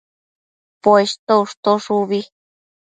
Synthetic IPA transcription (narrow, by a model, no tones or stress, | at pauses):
pest̪ouʂt̪oʂuβi